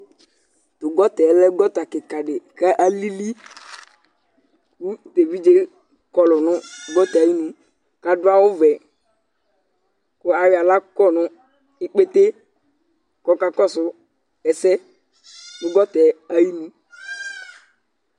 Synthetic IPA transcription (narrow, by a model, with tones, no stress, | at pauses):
tʊ˨ɡɔ˦tɛ˨˦lɛ˦ɡɔ˦ta˨kɪ˨ka˨ɖɪ˨kɛ˦ʔa˦li˦li˦ | ku˦te˨vi˦d͡ʒe˦ | kɔ˨lʊ˨nʊ̃˦ɡɔ˦tɛ˨a˨ji˦nũ˨ | ka˨dʊ˦a˦wʊ˦vɛ˨ | kʊ˦a˨ɾɪ˨a˨la˦kɔ˦˨nʊ˦ | i˦k͡pe˦te˦ | kɔ˦ka˨kɔ˦˨sʊ˨ | ɛ˨sɛ˦ | tʊ˨ɡɔ˦tɛ˨a˦ji˦nũ˨